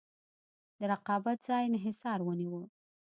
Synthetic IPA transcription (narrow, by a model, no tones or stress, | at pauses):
d̪əɾaqɑbat̪̚zɑjnɦɪsɑɾwəniwə